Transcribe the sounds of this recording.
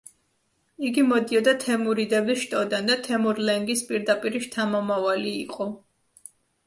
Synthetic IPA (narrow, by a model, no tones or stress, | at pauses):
iɡimɔd̪iɔd̪at̪ʰɛmuɾid̪ɛbiʃt̪ʼɔd̪and̪at̪ʰɛmuɾlɛŋɡispʼiɾd̪apʼiɾiʃt̪ʰamɔmavaliːqʼɔ